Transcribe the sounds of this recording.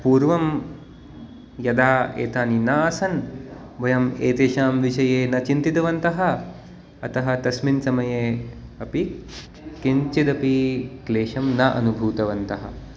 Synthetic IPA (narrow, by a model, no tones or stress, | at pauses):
puːɾʋɐm | jɐd̪aːḛːt̪aːninaːɐsɐn | ʋɐjɐmeːt̪eːʃaːmʋiʃɐjeːnɐt͡ʃint̪it̪ɐʋɐnt̪ɐɦɐ̆ | ɐt̪ɐɦɐ̆t̪ɐsminsɐmɐjeːɐpi | kiɲt͡ʃid̪ɐpikleːʃɐmnɐʔɐ̰nubʱuːt̪ɐʋɐnt̪ɐɦɐ̰̆